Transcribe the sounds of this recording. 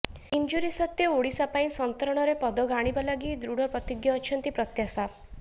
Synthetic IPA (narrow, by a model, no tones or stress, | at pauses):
ind͡ʒuɾisɔt̪jɔoɽisapaĩsɔnt̪ɔɾɔɽ̃ɔɾepɔd̪ɔɡaɽ̃ibalaɡid̪ɾuɽɔpɾɔt̪iɡjɔːt͡ʃʰɔnt̪ipɾɔt̪jasa